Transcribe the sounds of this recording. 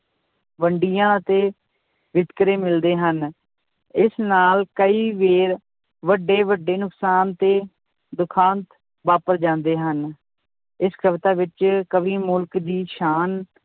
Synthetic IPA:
ʋəɳɖijãːət̪eː | ʋɪt̪kɾeːmɪld̪eːɦən | ɪsnaːlkəiːʋeːɾ | ʋəɖːeːʋəɖːeːnʊksaːnt̪eː | d̪ʊkʰaːnt̪ | ʋaːpəɾd͡ʒãːnd̪eːɦən | ɪskʰəʋt̪aːʋɪt͡ʃkəʋiːmʊlkd̪iːʃaːn

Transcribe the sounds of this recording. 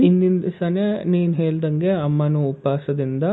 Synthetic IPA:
ind̪ind̪ɐsɐneniːnɦeːɭd̪ɐŋɡeɐmːɐnuːpaːsɐd̪ind̪ɐ

